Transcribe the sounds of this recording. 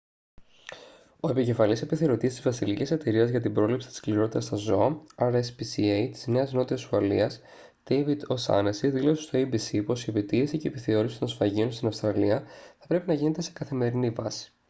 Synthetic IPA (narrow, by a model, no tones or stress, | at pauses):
o̞e̞pice̞fɐlise̞piθeɾo̞t̪iest̪izvɐsilicise̞t̪e̞ɾiɐzʝɐt̪ibɾo̞lipsi̥t̪i̥skliɾo̞t̪it̪ɐst̪ɐzo̞ɐɐɾespisiejt̪i̥zne̞ɐzno̞t̪iɐsɐlḭɐs | d̪̥ejvid̪osɐ̰nesiðilo̞sest̪oibisipo̞siepit̪iesice̞piθe̞o̞ɾisi̥t̪o̞nsfɐʝio̞nst̪inɐfst̪ɾɐliɐθɐpɾe̞pinɐʝinet̪e̞se̞kɐθime̞ɾinivɐsi̥